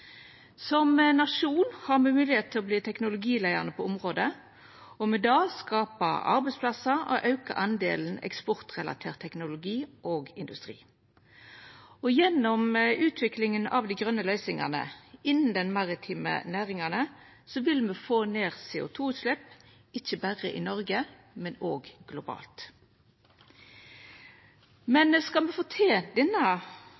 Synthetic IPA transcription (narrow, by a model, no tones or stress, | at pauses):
sɔmnɑʂuːnhɑʁmɛmʉːlɪheːt̪ʰːɪlɔbliːt̪ʰɛknʊlʊɡiːlæɪə̰ʁnəpʰɔʊmʁoːd̪ə | ɔmɛd̪ɑːskɑːpɑ̰ɑ̰ʁbɛɪspʰlɑsɑɔ̰ʔɑʉkɑ̰ʔɑnd̪ḛːln̩ɛ̰kspɔʁt̪ʁɛlɑ̰t̪ʰeːʁt̪ʰɛknʊlʊɡiːʔoːɡɪnd̪ʉst̪ʁḭː | ɔjɛnːɔmʉːt̪ʰʋɪklɪŋənɑ̰ʋd̪æɪɡʁœnːəlœʏsɪŋɑ̰nə̰ɪnn̩d̪ɛnmɑʁɪt̪ʰiːmə̰næːʁɪŋɑnə | sɔʋɪlmɛfoːneːʁseːʊ̰t̪ʰuːʉːt̪ʃlɛp | ɪçəbæʁə̰ʔɪnɔʁɡə | mɛnoːɡɡ̥lʊbɑ̰ːlt̪ | mɛnskɑlmɛfɔːt̪ʰeːd̪ɛnːə